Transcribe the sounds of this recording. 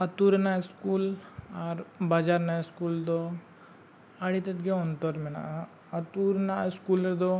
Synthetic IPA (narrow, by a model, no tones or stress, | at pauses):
ɐt̪uɾnaskuːlaɾbad͡ʒaːɾnaskuːld̪o | ɐɽit̪ɐt̪ɡeɔnt̪oɾmena̰ | ɐt̪uɾnaskuːleɾd̪o